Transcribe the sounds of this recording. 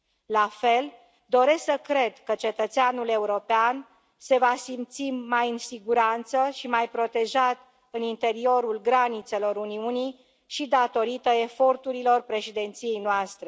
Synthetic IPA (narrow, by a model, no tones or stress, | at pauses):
lafe̞l | d̪o̞ɾe̞sksəkɾe̞d̪kət͡ʃe̞t̪ət̪seanule̞uɾo̞pean | se̞vasimt̪simajɨnsiɡuɾant̪səʃimajpɾo̞t̪e̞ʒat̪ | ɨnint̪e̞ɾio̞ɾulɡɾanit̪se̞lo̞ɾuniuni | ʃid̪at̪o̞ɾit̪əe̞fo̞rt̪uɾilo̞rpɾe̞ʃid̪e̞nt̪sije̞jnoast̪ɾe̞